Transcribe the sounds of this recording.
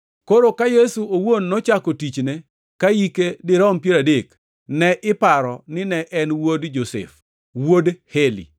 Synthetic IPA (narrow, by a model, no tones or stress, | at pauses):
koɾokajesuowonːɔt͡ʃakotit͡ʃne | kajikedɪɾɔmpjeɾadek | nɛʔɪpaɾɔnɪnɛʔɛnwodd͡ʒosɛ̰f | wodhelḭ